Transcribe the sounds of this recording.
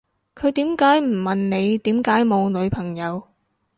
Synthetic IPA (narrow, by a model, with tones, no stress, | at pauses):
kʰɵ˨˧ɥt̪iː˨˥mkaː˨˥jm̩˨˩mɐ˨nne˨˧jt̪iː˨˥mkaː˨˥jmo˨˧wlɵ˨˧ɥpʰɐ˨˩ŋjɐ˨˧w